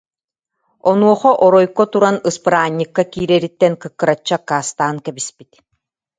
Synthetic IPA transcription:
ɔnuɔχɔʔɔɾɔjkɔt̪uɾanɯspɯɾaːɲʲːikːakiːɾɛːɾit̪ːɛnkɯkːɯɾat͡ɕːakaːst̪aːnkɛbispit̪

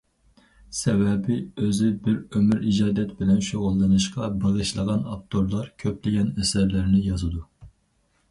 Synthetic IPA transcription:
sɛvɛbɪøzɪbɪɾømyɾid͡ʒɑːd̪ɛt̪bɪlɛnʃoʁʊlˠːɨnɨʃqɑbəʁəʃlˠəʁɑnɑp̚t̪ʰoɾlˠɑɾkʲʰøplɪɡʲɛnɛsæɾlɪɾnɪjɑzɨd̪u

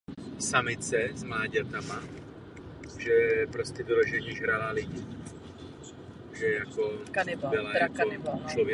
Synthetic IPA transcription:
samɪt͡sɛzmaːɟɛt̪ama | ʒɛpɾoscɛvɪloʒɛɲɛʒɦɾalalɪɟi | ʒɛjakokanɪbbɛlajakanɪbat͡ʃlovjɛ

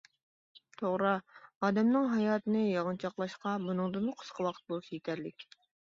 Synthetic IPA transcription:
t̪ʰoʁɾɑɑːd̪ɛmnɨŋɦɑjɑːt̪ɨnɨjɑʁənt͡ʃʰɑqlˠɑʃqɑbunɨŋd̪ɨmʊqʰʊ̥sqʰəwɑqʰə̥t̪̚bolˠsjit̪ʰæɾlɪkʲ

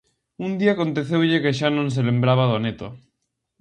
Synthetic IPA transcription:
und̪iaːkont̪eθewʎekeʃ̬anõns̬elembɾaβ̞aðonet̪o

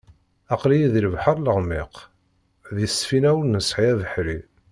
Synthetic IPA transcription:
ɑqlijiðiləvħəɾˤləʁmɪq | ðəsfinæwənnəsħiæðəħɾi

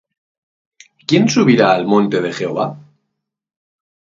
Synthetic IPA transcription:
kje̞nsuβiɾaːlmõnt̪e̞ð̞e̞xe̞oβ̞a

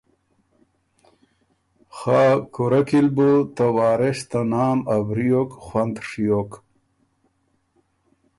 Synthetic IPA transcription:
xaːkuɾakilbot̪awaːɾeɕt̪anaːmabɾijokxwand̪ʂijok

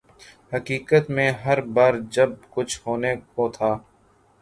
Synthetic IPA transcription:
həkiːkət̪mẽːɦəɾbaːɾd͡ʒɐb̚kʊt͡ʃʰhoːnekot̪ʰaː

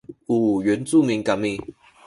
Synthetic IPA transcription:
uɥɛnt͡sumiŋkami

